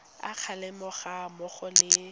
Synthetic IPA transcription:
a̰q͡χʰalɛmʊχamʊχɔlɪ

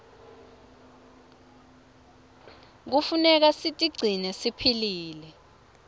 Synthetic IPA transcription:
k̬ufunɛk̬asitʼiɡ͡ǀʱinɛsipʰiliːlɛ

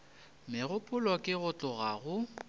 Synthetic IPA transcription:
mɪɣʊpʼʊlɔkʼɪɣʊt͡ɬʼʊɣaɣʊ

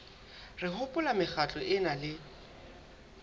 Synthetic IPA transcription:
rɪɦʊpʼʊlamɪχat͡ɬʼɔʔɪnalɪ

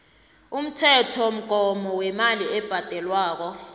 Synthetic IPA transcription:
um̩tʰɛtʰɔm̩ɡ̥ʱɔmɔwɛmaliɛb̥ʱad̥ʱɛlwaːk̬ɔ

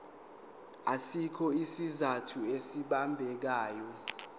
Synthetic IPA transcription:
asikʰɔisizatʰuesiɓambʱɛk̬aːjɔ

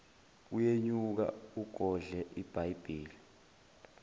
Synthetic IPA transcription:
ujeɲuk̬a̰uɡ̥ʱɔɮɛʔib̥ʱajb̥ʱiːli

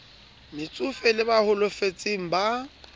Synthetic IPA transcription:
mɪt͡sʼʊfɛlɪbahʊlʊfet͡sʼiŋ̩ba

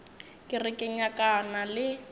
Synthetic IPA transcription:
kʼɪrɪkʼɪɲakʼanalɪ

